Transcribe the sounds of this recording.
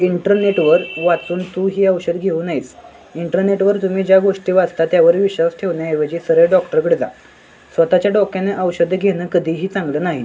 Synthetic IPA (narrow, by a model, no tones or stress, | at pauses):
iɳʈəɾneʈʋəɾʋat͡suːnt̪uɦiːəwɕəd̪ʱɡʱeuːnaɦit͡s | iɳʈəɾneʈʋəɾt̪um̤iːd͡ʑjaɡoʂʈiːʋad͡zt̪at̪jaʋəɾʋiɕʋasʈʰeʋnjaɦeʋəd͡ʑiːsəɾəjɖɔkʈəɾkəɽd͡za̰ | sʋət̪at͡ɕjaɖɔkjaneʔəwɕəd̪ʱːəɡʱenəːkəd̪ʱiːɦiːt͡sãŋɡləːnaɦi